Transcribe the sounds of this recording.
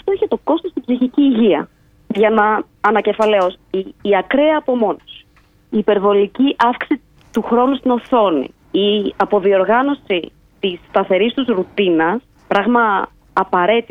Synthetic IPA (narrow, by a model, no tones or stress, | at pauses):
ɐft̪oeçet̪o̞ko̞st̪o̞st̪ibsiçiciːʝiɐ̰ | ʝɐnɐː | nɐce̞fɐleosiːɐkɾeɐːpo̞mo̞nos | iːpe̞ɾvo̞liciʔɐfki̥si | t̪uxɾo̞nust̪ino̞θo̞nḭ | iɐpo̞ðio̞ɾɣɐno̞si | t̪ist̪ɐθe̞ɾist̪uzɾut̪inɐs | pɾɐɣmɐː | pɐɾe̞t̪i